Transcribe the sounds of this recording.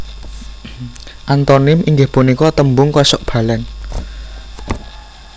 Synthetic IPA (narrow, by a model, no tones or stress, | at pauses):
ʔant̪ɔnɪmiŋɡɪhpunikɔt̪əmbʊŋkɔsɔʔb̥a̤lɛn